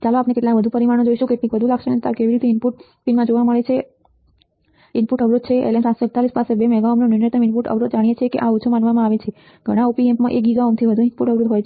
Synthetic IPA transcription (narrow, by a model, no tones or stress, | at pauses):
t͡ʃaloapnekeʈlakʋəd̪ʱupəɾimanõd͡ʒoiʃukeʈĩkʋəd̪ʱulaɡʃenet̪akeʋiɾit̪eimpuʈ | pinmãd͡ʒoʋaməɭet͡ʃʰe | inpuʈəʋɾud̪̚t͡ʃʰeḛlensat̪soɛk̚t̪alispasebemɛɡaomnonunet̪əminpuʈə̰ʋɾud̪̚d͡ʒaɽ̃ijet͡ʃʰekeʔaut͡ʃʰumãnʋamãaʋet͡ʃʰe | ɡʱəɽ̃aupiɛ̃mpmãʔekɡiɡaomt̪ʰiʋəd̪ʱuinpuʈəʋɾud̪ɦojt͡ʃʰ